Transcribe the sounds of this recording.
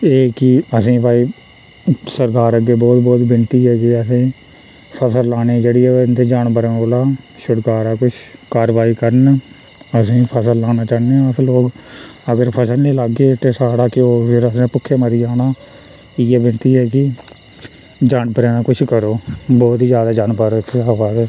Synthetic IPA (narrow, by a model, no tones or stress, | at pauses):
eːkɪəsĩːpaːiː | səɾkaːɾəɡeːbɔːt̪bɔːt̪bɪnt̪iːɦɛːkɪəsĩː | pʰəsəlːaːneːd͡ʒeːɽiːɦɛːnt̪eːd͡ʒaːɳbəɾẽːoːlaːʃʊɽkaːɾaːkʊt͡ʃʰkaːɾʋaːiːkəɾən | əsĩːpʰəsəlːaːnaːt͡ʃaːneːɦãːəsloːkəɡəɾpʰəsəlnĩːləɡːeːt̪eːsaːɽaːkɪoːpʰɪɾəsnẽːpʊkʰːeːməɾiːaːnaː | ɪeːbɪnt̪iːɦɛːkɪ | d͡ʒaːɳpəɾeːnaːkʊt͡ʃʰkəɾoːbɔːt̪izjaːd̪aːd͡ʒaːɳpəɾoːt̪ʰeaːʋaːzɛː